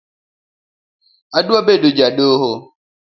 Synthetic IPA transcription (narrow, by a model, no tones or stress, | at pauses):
aduabedod͡ʒaɗoɦo